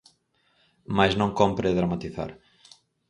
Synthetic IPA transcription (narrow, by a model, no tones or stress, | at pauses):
majznõŋkompɾeðɾamat̪iθa̰ɾ